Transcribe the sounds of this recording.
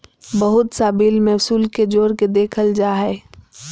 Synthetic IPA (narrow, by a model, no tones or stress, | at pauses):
bəɦʊt̪saːbiːlmẽsuːlked͡ʒoːɾked̪eːkʰəld͡ʒaːɦɛː